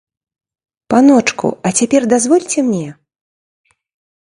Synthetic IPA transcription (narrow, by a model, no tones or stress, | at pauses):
panɔt͡ʂkṵɐt͡sʲapʲɛrd̪azvɔlʲt͡sʲɛmnʲɛ